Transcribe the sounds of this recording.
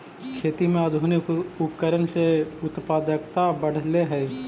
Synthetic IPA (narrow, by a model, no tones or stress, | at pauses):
kʰeːt̪imẽəd̪ʱuːniʊpəkəɾənseʊt̪paːd̪əkt̪abəɽ̤leɦɛː